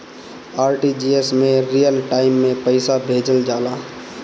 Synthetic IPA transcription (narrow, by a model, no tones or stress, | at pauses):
aːɾʈid͡ʒiesmẽɾijəlʈaːɪmːẽpəɪsabʱeːd͡ʒəld͡ʒaːla